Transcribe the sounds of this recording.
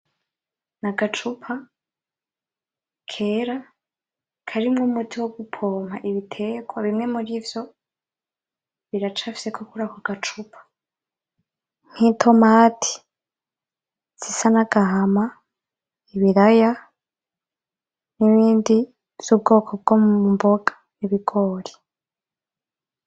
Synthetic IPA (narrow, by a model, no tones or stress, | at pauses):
naɡat͡ʃupʰa | kʰe̞ɾa | kʰaɾimŋuːmutʰiwoɡupʰo̞ːmaʔiβitʰe̞ɡwaβimŋe̞muɾivjo̞ | βiɾat͡ʃafi̥se̞kʰukuɾakuɡ̥at͡ʃupʰḁ | n̥hiːntʰo̞maːtʰi̥ | z̥isanaɡ̥aɦama | iβiɾaja | niβiːndi | v̥z̥ubɡo̞ːkʰob̚ɡomumboɡ̥ḁ | niβiɡ̥oːɾi̥